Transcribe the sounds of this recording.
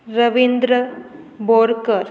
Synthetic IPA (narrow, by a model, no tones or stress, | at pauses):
ɾɐʋind̪ɾə | boːɾkəɾ